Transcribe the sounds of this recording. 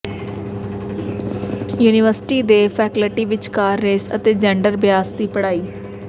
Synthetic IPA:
juːnɪʋəɾsɪʈiːd̪eːpʰɛːkəlʈiːʋɪt͡ʃkaːɾːeːsə̰t̪eːd͡ʒɛ̃ːɳɖəɾbɪjaːsd̪iːpəɽaːiː

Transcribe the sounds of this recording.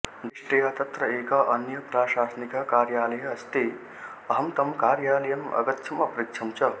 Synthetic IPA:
d̪iʂʈɐjaːt̪ɐt̪ɾɐeːkaʔɐnjɐpɾaːʃaːsnikɐkaːɾjaːlɐjɐɐst̪eː | ɐɦɐmt̪ɐmkaːɾjaːlɐjɐmɐ̰ɡɐt̪t͡ʃʰɐmɐpɾikʂʰɐmt͡ʃɐ

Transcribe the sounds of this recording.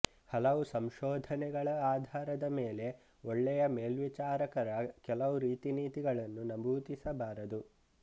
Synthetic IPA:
hɐlɐʋusɐmʃɔːd̪ʱɐnɛɡɐɭɐaːd̪ʱaːɾɐd̪ɐmeːle̞ | oɭːɛjɐme̞ːlʋit͡ʃaːɾɐkɐɾɐkɛlɐʋuɾiːt̪iniːt̪iɡɐɭɐnːunɐbʱuːt̪isɐbaːɾɐd̪u

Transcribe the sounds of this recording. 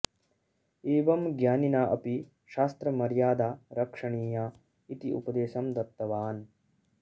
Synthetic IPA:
eːʋɐmɡjaːninaːʔɐpi | ʃaːst̪ɾɐmɐɾjaːd̪aːɾɐkʂɐɳiːjaː | it̪iʔṵpɐd̪eːʃɐmd̪ɐt̪ːɐʋaːn

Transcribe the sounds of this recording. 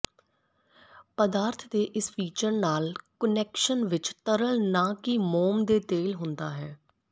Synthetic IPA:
pəd̪aːɾt̪ʰd̪eːʔɪsfiːt͡ʃəɾnaːlkənɛːkʃənʋɪt͡ʃt̪əɾəlnãːkɪmoːmd̪eːt̪eːlɦʊnd̪aːɦɛː

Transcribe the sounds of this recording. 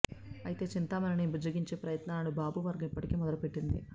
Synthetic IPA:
ɐjit̪e̞ːt͡ʃint̪aːmɐnɐnibud͡ʒɐɡiɲt͡ʃe̞ːpɾɐjɐt̪naːlɐlubaːbuʋɐɾɡɐmipːɐʈikeːmɔd̪ɐlupe̞ʈːind̪ḭ

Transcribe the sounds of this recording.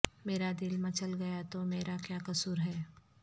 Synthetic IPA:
meːɾad̪ɪlmẽt͡ʃɐlɡɐjat̪omeːɾakjaːkɐsuːɾɦɛː

